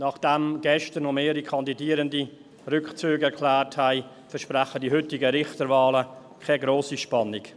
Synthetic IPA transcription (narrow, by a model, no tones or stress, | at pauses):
nɑχd̥ɛmɡ̥ɛʃtənomeːɾikʰɑndidiːəɾəndi | rʏkt͡syːɡɛɾkʰlæːrthæɪ | fɛɾʃpræχədiɦʏtɪɡəɾɪχtəɾvɑːlə | kʰɛɡɾoːsiʃpɑnɪk